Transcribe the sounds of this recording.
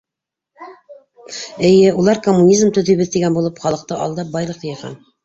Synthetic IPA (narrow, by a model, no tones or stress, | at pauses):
ɘ̆jɘulˠɑɾkomːunʲizmt̪ɵ̆ðɵ̆jβɘðt̪iɡænbulˠɤpχɑlˠɤ̆q̚t̪ɤʔɑ̰lˠd̪ɑp̚bɑjlˠɤqjɤjɑʁɑ̰n